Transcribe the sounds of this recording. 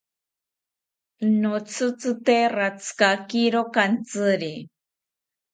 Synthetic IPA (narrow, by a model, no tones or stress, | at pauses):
not͡sʰɨt͡sɨt̪erat͡sʰkakiɾokant͡sɨɾi